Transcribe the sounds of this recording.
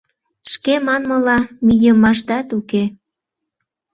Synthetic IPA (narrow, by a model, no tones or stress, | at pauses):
ʃkemɑnməlɑmijəmɑʃd̪ɑt̪uke